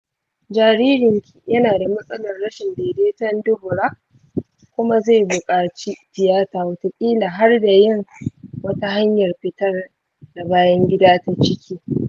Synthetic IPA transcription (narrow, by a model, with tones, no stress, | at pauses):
d͡ʒaː˨ɾiː˦ɾɪ˨ŋkʰʲi̥˨jɐ˦naː˨da˨mɐ˦sʼɐ˦lɐ˨rːɐ˦ʃɪ˨ndeː˨deː˦tɐ˦ndʊ˦hʊ˨ɾa˦ | kʷʊ˦ma˦za˦˨bʊ˨kʼaː˨t͡ʃi˦tɪ˨jaː˦taː˨wɐ˦ta˨kʲʼiː˦laː˨ɦa˦rda˨jɪ˦ŋwɐ˦ta˦ɦa˦ɲjɐ˨rɸɪ˨tɐ˦r | na˨baː˦jɐ˦ŋɡʲɪ˦daː˦ta˦t͡ʃɪ˦kʲʰiː˦